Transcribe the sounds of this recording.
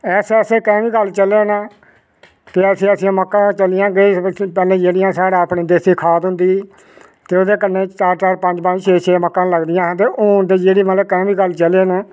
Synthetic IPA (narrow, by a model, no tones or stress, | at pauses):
ɛːseːɛːseːkɛ̃ːʋiːɡəlt͡ʃəleːnaː | k̪eːəsĩːəsĩãːməkːãːt͡ʃəlɪjãːɡepɛːlẽːd͡ʒeːɽɪjãːsaːɽãːpɳiːd̪eːsiːkʰaːt̪ɦʊ̃nd̪iː | t̪eːoːd̪eːkənːẽːt͡ʃaːɾt͡ʃaːɾpə̃ɲd͡ʒpə̃d͡ʒt͡ʃʰeːt͡ʃʰeːməkːãːləɡd̪ɪjãːɦːt̪eːʔoːnd̪iːd͡ʒeːɽiːmət̪ləb̚kɛ̃ːʋiːɡəlt͡ʃəleːnaː